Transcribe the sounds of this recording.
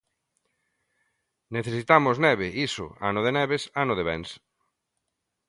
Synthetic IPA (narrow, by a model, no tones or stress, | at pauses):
neθesit̪amʊznɛβeʔisʊ̰a̰nʊðenɛβesanoðeβɛ̰̃ns